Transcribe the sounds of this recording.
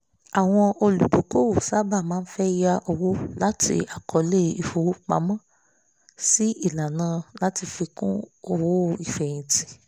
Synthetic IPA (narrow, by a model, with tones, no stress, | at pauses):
a˨w̃ɔ̃˧o˧lu˨du˨˦ko˦wu˨sa˦ba˦˨mãː˦n̩˦fɛ˦ja˧ʔo˧wo˦la˦tʰḭ˧a˨kʰɔ˨le˦˧i˨fo˨wo˦k͡pa̰˨˦mɔ̃˦˨ | si˦i˦˨la˨nãː˧la˦ti˧fi˧kũ˦o˧˨wo˦˧i˨fɛ̃˨ĩ˨ti̥˨